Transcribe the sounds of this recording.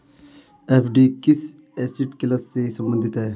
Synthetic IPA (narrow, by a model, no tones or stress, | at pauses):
eːpʰɖikɪs | ɛːsiʈkɪlɐsːesɐ̃mbə̃nd̪ʱɪt̪ɦɛː